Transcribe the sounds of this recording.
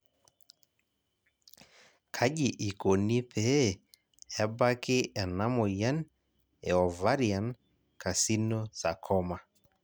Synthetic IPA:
kʰa˦ʄi˨ʔi˨ko˨ni˦pʰɛ˦˨ | ɛ˦ba˦kɪ˦ʔɛ˨na˦mɔ˨ja˦n | ɛ˨ɔ˨va˦ɾia˨n | kʰa˨si˦nɔ˦sa˨kʰɔ˦ma˨

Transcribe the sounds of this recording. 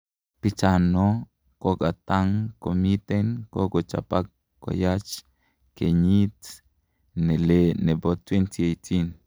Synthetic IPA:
pi˦t͡ʃano | ko˦ka˨t̪a˦ŋkomi˦t̪enko˦ko˨t͡ʃa̰pa˦kː | o̰jat͡ʃ | ke˨ɲi˦t | ne˨lene˨bot̪went̪ie˨ti˦n

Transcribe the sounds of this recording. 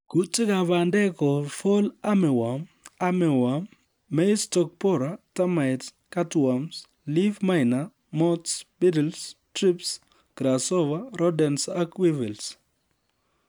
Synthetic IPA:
ku˦tɪ˦ka˨va˨ndɛ˦kɔ˨fo˦la˦mɪ˨wa˨m | a˦mɪ˨wa˨mː | ɛ˦stɔ˦k̚pɔ˦ɾata˦ma˨ɪt | ka˦twams | li˦vma˦ɪna | mɔ˦tsbi˦dɛlstɾi˦ps | ɡ̥ɾasɔ˦vaɾɔ˦dɛ˨nsa˦kwi˦vi˨ls

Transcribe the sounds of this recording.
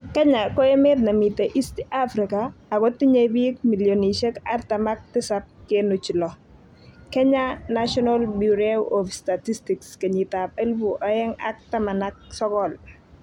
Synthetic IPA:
kɛ˦ɲa˨kɔ˦e˦me˦dna˨mi˨te˨ʔi˦sta˦fɾi˨kaː˨ɡɔ˦tɪ˦ɲe˦bi˦k̚mi˨ljo˨ni˨ʃe˦ka̰˦ɾt̪ama˦k̚tɪ˦sa˦p̚kenʊ˨t͡ʃi˨lɔ˨ | kɛ˦ɲa˦na˦ʃɔ˦nalbjuɾeɔ˨fsta˨ti˦sti˨kske˨ɲi˨t̪a˨p̚e˦lvu˨ʔɔ˨ɛ˦ŋa̰˦k̚ta˦ma˨na˦k̚sɔ˦kɔ˦˨l

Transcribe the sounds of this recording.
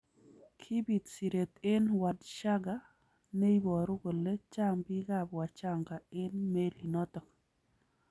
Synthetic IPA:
kʰi˦bi˨t̪si˨ɾe˨t̪e˦nwa˨dʃa˦ɡa˨ | ne˦i˦bɔ˨ɾʊ˦ɡo˨le˦t͡ʃa˦ŋbi˦ɡa˦˨bwa˨t͡ʃa˦ŋɡa˨ɪ˦nme˦li˨nɔ˦tɔ˨k

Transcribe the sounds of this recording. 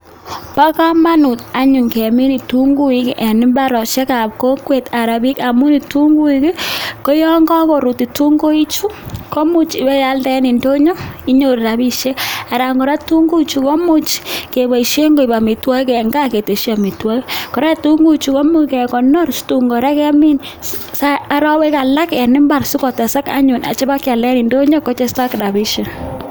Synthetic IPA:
pa˦ka˦ma˦nu˨ta˦ɲu˨ŋke˨mi˦ni˨tu˦ŋɡu˦i˦kʔɛ˨ni˦mba˦ɾɔ˨ʃe˦ka˨p̚ko˦kwe˨ta˨ɾa˨bi˦ka˨mu˦ni˨tu˦ŋɡu˦iki˦ko˦jɔ˦ŋɡɔ˦ko˨ɾu˨ti˨tu˦ŋɡo˦i˦t͡ʃu˦ko˦mu˦t͡ʃi˨bɛ˦ja˦ldɛ˦ni˨ndo˦ɲo˦i˦ɲo˦˨ɾɾa˨bi˦ʃe˦a˨ɾa˨ŋɡɔ˨ɾa˦tu˦ŋɡu˦t͡ʃu˨kɔ˦mu˦t͡ʃke˨ba˨i˨ʃe˦ŋɡo˦˨i˨ba˨mi˨twa˦i˦kɛ˨ŋɡa˦ke˨te˨ʃa˨mi˨twa˦i˦kɔ˨ɾɛ˦tu˦ŋɡu˦t͡ʃu˨kɔ˦mu˦kɛ˨kɔ˨nɔ˦ɾstu˨ŋɡɔ˨ɾa˦kɛ˦mi˦n | sa˦a˨˦ɾa˦we˦ka˨la˦kɛ˨nɪ˦mba˨rsu˦kɔ˨ta˨sa˦ka̰˦ɲu˨na̰˨t͡ʃɛ˦ba˦kja˨ldɛ˦ni˨ndo˦ɲɔ˦kɔ˦t͡ʃɛ˦sta˦kɾa˨bi˦ʃe˨

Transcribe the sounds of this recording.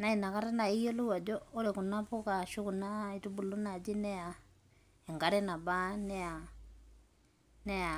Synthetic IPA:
na˦i˨na˨ka˦ta˦na˨i˦jo˦lu˦wa˨d͡ʒɔː˦ɾe˨ku˨na˦pu˦ka˨ʃu˦ku˨na˦i˨tu˦bu˨lu˦na˨d͡ʒi˦nɛ˦a˨ | e˨ŋɡa˦ɾɛ˦na˨ba˦n˦a˨ | nɛ˦a˨

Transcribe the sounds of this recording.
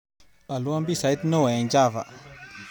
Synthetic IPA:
a˨lu˦a˦mbi˦˨sa˨ji˦tnə˦wa˨ja˨nd͡ʒa˦˨va̰˨

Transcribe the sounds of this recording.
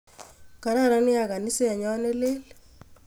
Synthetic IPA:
ka˨ɾa˦ɾa˦nɪ˦ja˨ka˨ni˦se˦a˨ɲɔ˦nɛ˦leː˦l

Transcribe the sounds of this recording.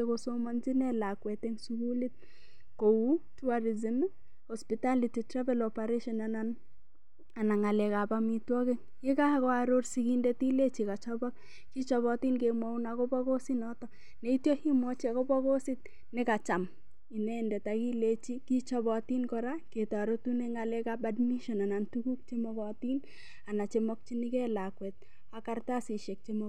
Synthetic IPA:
ekoso˦mɔ˦nd͡ʒi˦nɛ˦la˨kwɛ˨te˦ŋsuku˦li˦t̚ | kou˦tu˦aɾi˨zɪ˦m | hɔspita˦liti˨tɾa˦vɛlɔpaɾeʃɔnanan | a˨na˨ŋa˨lɛka˨pamitwɔ˦ke˦ŋ | kɪ˦ka˦kɔaɾo˦rsi˨kindɛti˦le˦t͡ʃika˨t͡ʃɔbɔ˦k̚ | ki˦t͡ʃɔβɔti˦nkemwa˦u˦nakɔ˦bɔ˦ko˦sinɔ˦tɔ | ne˨i˦tjo˦hi˦mwɔ˦t͡ʃa˨ko˦pɔ˦ko˦sɪ˦t̚ | ne˦ka˨t͡ʃa˨m | i˨nɛ˦ndɛ˨taki˦let͡ʃi˦ki˦t͡ʃɔbɔ˨ti˦nkɔɾake˨ta˨ɾo˦tu˦ne˦ŋalɛ˦kabadmi˦ʃɔ˨na˨na˨ntuku˦k̚t͡ʃe˦mɔ˦kɔ˨ti˦n | a˨na˨t͡ʃemɔ˦k̚t͡ʃi˦ni˦kɛ˦lakwɛt̚ | a˨ka˦rta˦si˨ʃɛ˨k̚t͡ʃe˦mo

